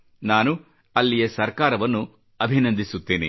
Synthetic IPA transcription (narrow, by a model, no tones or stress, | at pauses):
naːnu | ɐlːijɐsɐɾkaːɾɐʋɐnːu | ɐbʱinɐnd̪ʱisut̪ːeːnḭ